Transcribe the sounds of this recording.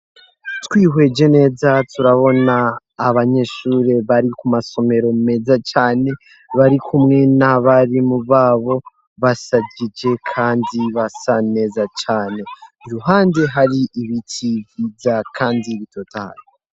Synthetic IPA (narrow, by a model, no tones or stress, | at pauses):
twiːɦwe̞d͡ʒe̞ne̞ːzatuɾaβo̞naː | βaɲe̞ʃuːɾe̞βaɾikumaso̞me̞ɾo̞me̞ːzat͡ʃaːne̞ | βaɾikʰumŋe̞naβaɾimuβaːβo̞ | βasaɟid͡ʒe̞kʰaːndiβasane̞ːzat͡ʃaːne̞ɾuɦaːnde̞ɦaɾiʔiβitʰivizakʰaːndiβito̞taa̰ɾi